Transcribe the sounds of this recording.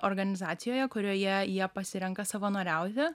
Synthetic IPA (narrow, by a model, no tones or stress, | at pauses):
ʔoɾɡɐnʲɪzɑːt̪sʲɪjoːjɛkʊɾʲoːjɛjiɛpɐsʲɪɾʲɛŋkɐsɐʋɐnoːɾʲɛˑʊt̪ʲɪ